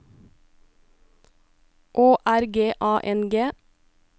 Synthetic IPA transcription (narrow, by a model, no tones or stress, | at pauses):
ʔoːʔæɾɡeːʔɑːʔɛnɡeː